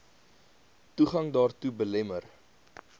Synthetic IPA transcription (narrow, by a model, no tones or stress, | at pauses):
tuχɐŋdɑːrtubəlɛmər